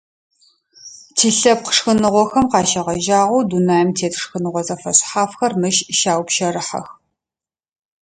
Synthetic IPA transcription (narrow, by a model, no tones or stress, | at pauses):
tʰiːɬɐp̚qə̥ʂxɨnɨʁʷɔxɐmqɑːʃɐʁɐʒaːʁɐwdunaːjɛmtʰeːtʰʂxɨnɨʁʷɔzʼɐfɐɕʼħaːfxɐrmɨʃʃaːwpʃɐɾɨħɐ̰x